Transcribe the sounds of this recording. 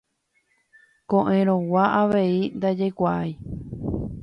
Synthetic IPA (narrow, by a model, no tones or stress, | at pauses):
kõʔẽɾ̃õwaʔaʋe̞ind̪ad͡ʒekʷaʔaj